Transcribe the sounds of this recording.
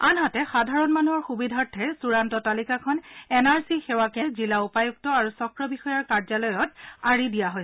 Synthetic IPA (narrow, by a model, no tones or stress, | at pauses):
anɦatɛxadʱaɹɔnmanuɦɔɹxubidʱaɹtʰːɛɹsuɹantɔtalikakʰɔnɛnaɹsixɛwakɛzilaupajuk̚tɔaɹusɔkɹɔbixɔjaɹkaɹzalɔjɔtaɹidijaɦojsɛ